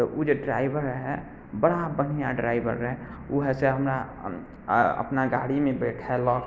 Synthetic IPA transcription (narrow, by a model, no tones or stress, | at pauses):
t̪ɔʔod͡ʒoɖɾa̰ːɪbəɾɦɛ | bəɽabənijaɖɾa̰ːɪbə̰ɾɛ | uɦseɦəmɾa | ə̰pnaɡaːɽimẽbeːʈʰɛlɔːk